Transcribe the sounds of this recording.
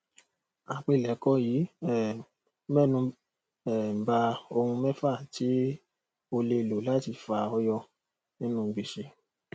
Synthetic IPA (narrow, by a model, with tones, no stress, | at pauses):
a˨k͡pe˧˨lɛ˨˦kɔ˦jiː˨˦ɛ˦˨ | mɛ˦˨nũ˧ | ɛ˨m̩˨ba˧o˧hũ˧mɛ̃˦fa˦˨tʰi˨˦ | o˧le˧˨lo˨la˨˦ti˧fa˧ɔ˦jɔ˧ | nĩ˦nũ˦˨˧bi˧˨ʃe˧